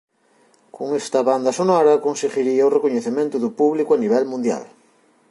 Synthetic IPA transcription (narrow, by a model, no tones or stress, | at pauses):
kʰʊŋest̪ɐβand̪ɐsonɔɾɐkonseɣiɾiɐʊrekoɲeθemẽnt̪ʊðʊpuβlikʊaniβ̞ɛlmũnd̪ja̰l